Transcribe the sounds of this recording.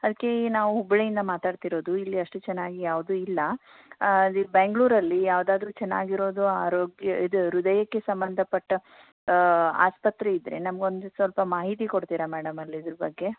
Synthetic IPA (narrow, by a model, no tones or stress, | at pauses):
ɐd̪ɐkːe̞naːʋuubɭejind̪ɐmaːt̪aːɖt̪iɾo̞ːd̪uilːiɐʂʈut͡ʃɛnːaːɡijaːʋd̪uːilːɐ | ibeŋɡɭuːɾɐlːijaːʋd̪aːd̪ɾuːt͡ʃɛnːa̰ːɡiɾo̞ːd̪uaːɾoːɡjɐid̪uɾud̪ɐjɐkːe̞sɐmbɐnd̪ʱɐpɐʈːɐ | a̰ːspɐt̪ɾeid̪ɾenɐmɐɡo̞nd̪usʋɐlpɐmaːɦit̪ikoɽt̪iːɾɐmɛːɽɐmɐlːiːd̪ɐɾɐbɐɡːe̞